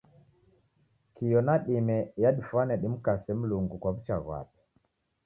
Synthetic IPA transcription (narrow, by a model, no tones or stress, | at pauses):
kijɔnaɗimɛjaɗifwanɛɗim̩kasɛm̩luŋɡukwaβut͡ʃaɣwa̰pɛ̥